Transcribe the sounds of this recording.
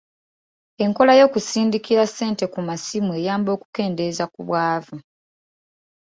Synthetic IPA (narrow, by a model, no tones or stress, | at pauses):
e̞ŋko̞lajo̞ːkusiːndikiɾase̞ːnte̞kumasimueːjaːmbo̞ːku̥ke̞ːnde̞zakuβwaːvu